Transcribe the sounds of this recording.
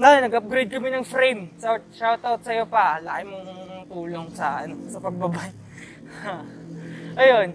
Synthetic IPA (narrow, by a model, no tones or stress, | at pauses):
nɐjnːɐɡɐp̚ɡɾejd̪̚kɐmonɐŋfɾejmsawt̪̚ʃawt̪awt̪̚sɐjo̞pɐla̰ːʔɪmoŋt̪uːloŋsɐʔɐ̰no̞sɐpɐɡ̚bɐbaj | a | ʔɐjon